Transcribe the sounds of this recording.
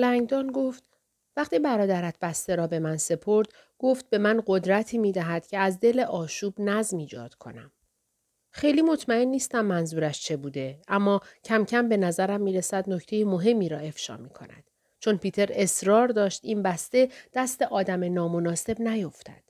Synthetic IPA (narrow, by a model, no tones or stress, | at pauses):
læŋɡd̪ɒːnɡo̞ft̪ | væχt̪iːbæɾɒːd̪æɾæt̪ʰbæst̪eɾɒːbe̞mænse̞pʰo̞ɾd̪̥ | ɡ̥o̞ft̪̚be̞mænɢo̞d̪ɾæt̪ʰiːmiːd̪æɦæd̪̥cʰe̞æzd̪e̞leʔɒːʃuːbnæzmiːd͡ʒɒ̰ːd̪̥kʰo̞̰næm | xejliːmo̞t̪ʰmæe̞nːiːst̪æmːænzuːɾæʃt͡ʃʰe̞buːd̪e̞ʔæmːɒːcʰæmcʰæmbe̞næzæɾæmːiːɾesæd̪no̞ct̪ʰe̞jemo̞ɦe̞mːiːɾɒːe̞fʃɒ̰ːmiːkʰo̞̰næ̰d̪̥ | t͡ʃʰo̞npʰiːt̪ʰe̞ɾe̞sɾɒːɾd̪ɒːʃt̪inbæst̪e̞d̪̥æst̪eʔɒːd̪æmenɒːmo̞nɒːse̞bnæjo̞ft̪ʰæ̰d̪̥